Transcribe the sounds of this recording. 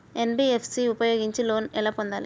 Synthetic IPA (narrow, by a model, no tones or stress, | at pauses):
enbiefʰsiupɐjoːɡiɲt͡ʃiloːnɛlɐpond̪aːli